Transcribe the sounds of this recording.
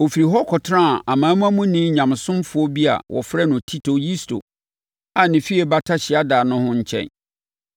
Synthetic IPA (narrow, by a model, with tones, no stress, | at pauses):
o˨fi˨ɾi˨ɦɔ˦kʰɔ˨tʰɾã˦˨ʔa˨mãː˨˦mũ˦a˦mũ˦nĩ˦ɲã˨m˨sʊ̃˦mfʊ˨˦ɔ˦bi˦a̰˨wʔɔ̰˨fɾɛ˦nʊ̃˨tʰi˦tʰo˨ji˦stʰo̰˨ | a˨nɪ̃˨fi˦ɛ˨ba˦tʰa˦ɕɪ˨a˦daː˨nʊ̃˦hʊ̃˦ɲ̩˦t͡ɕʰɛ̰̃˨n